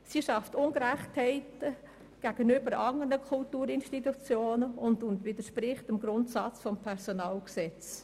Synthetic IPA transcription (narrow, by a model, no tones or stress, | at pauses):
siʃɑftʊŋɡɾæχthɛɪtə | ɡ̥æɡ̥ənybəɾɑŋənəkʰʊltuːɾɪnʃtitut͡sjoːnəʊndʊntʋɪdəʃpɾɪχtɪmɡɾʊntsɑt͡sfɔmpʰɛɾsonɑːlksɛt͡s